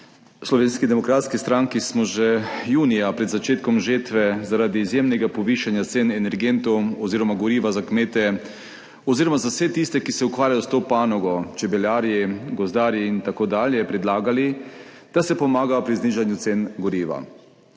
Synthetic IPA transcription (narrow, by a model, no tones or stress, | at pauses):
slɔʋeːnskid̪ɛmɔkɾaːt̪skist̪ɾaŋkismɔʒɛjuːnijapɾɛd̪zat͡ʃeːt̪kɔmʒet̪ʋɛzaɾaːd̪iːzjemnɛɡapɔʋiːʃanjat̪senɛnɛɾɡent̪ɔwɔziːɾɔmaɡɔɾiːʋazakmeːt̪ɛ | ɔziːɾɔmazawsɛt̪ist̪ɛkisɛukʋaːɾjajɔst̪oːpaːnɔɡɔt͡ʃɛbɛljaːɾjɛɡɔzd̪aːɾjiint̪akoːd̪aːljɛpɾɛd̪laːɡali | d̪̥asɛpɔmaːɡaɔpɾizniːʒanjut̪senɡɔɾiːʋa̰